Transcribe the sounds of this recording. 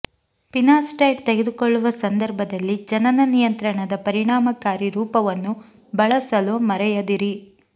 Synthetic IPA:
pinaːsʈɐjɖt̪eɡed̪ukoɭːuʋɐsɐnd̪ɐɾbʱɐd̪ɐlːid͡ʒɐnɐnɐnijɐnt̪ɾɐɳɐd̪ɐpɐɾiɳaːmɐkaːɾiɾuːpɐʋɐnːu | bɐɭɐsɐlumɐɾɛjɐd̪iɾi

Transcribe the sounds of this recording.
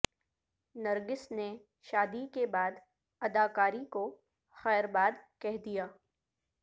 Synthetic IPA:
nɐɾɡɪsne | ʃaːd̪ikebaːd̪ | ɐd̪aːkaːɾiko | xɛːɾbaːd̪kɛɦd̪ijaː

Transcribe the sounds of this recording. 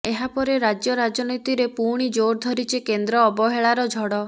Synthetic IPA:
eɦapɔɾeɾad͡ʒjɔɾad͡ʒɔnit̪iɾepuɾɽ̃id͡ʒoɾd̪ʱɔɾit͡ʃikend̪ɾɔːbɔɦeɭaɾɔd͡ʒʱɔɽɔ

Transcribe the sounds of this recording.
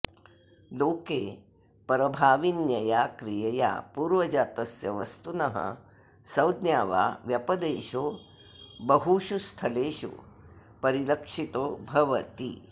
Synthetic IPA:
loːkeː | pɾɐbʱaːʋinjɐjaːkɾijɐja̰ːpuːɾʋɐd͡ʒaːt̪ɐsjɐʋɐ̰st̪unɐɦɐ̰ | sɐwd̪njaːʋa̰ːʋjɐpɐd̪eːʃoː | bɐɦuʃust̪ʰɐleːʃo̰ː | pɐɾilɐkʂit̪oːbʱɐʋɐt̪ḭ

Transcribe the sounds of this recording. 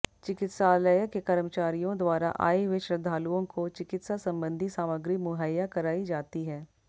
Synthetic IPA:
t͡ʃɪkɪt̪saːləjəkekɐɾmət͡ʃaːɾijõd̪waːɾa̰ʔa̰ːeɦweʃɾəd̪ʱaːluõkot͡ʃɪkɪt̪sasɐ̃mbə̃nd̪ʱisaːməɡɾimʊɦəjːakɐɾaːid͡ʒaːt̪iɦɛː

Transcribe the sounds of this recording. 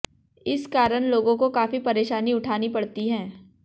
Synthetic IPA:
ɪskaːɾəɽ̃loːɡõkokaːfipɐɾeːʃaːniʊʈʰaːnipɐɽt̪iɦɛ̃ː

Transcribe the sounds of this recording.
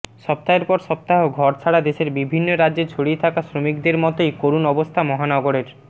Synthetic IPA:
ʃɔp̚t̪aeɾpɔɾʃɔp̚t̪aɦoɡʱɔɾt͡ɕʰaɽad̪eʃeɾbibʱinːoɾadːʑeɾt͡ɕʰoɽiet̪ʰakasɾomikd̪eɾmɔt̪ojkoɾunɔbost̪ʰamɔɦanɔɡoɾeɾ

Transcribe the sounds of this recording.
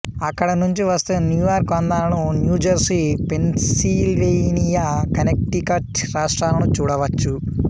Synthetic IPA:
ɐkːɐɽɐnuɲt͡ʃiʋɐst̪enjuːjaːɾkʋɐnd̪aːlɐnunjuːd͡ʒɐɾsipenssilʋenijɐkɐnek̚ʈikɐʈɾaːʂʈɾaːlɐnut͡ʃuːɽɐʋɐt͡ʃːu

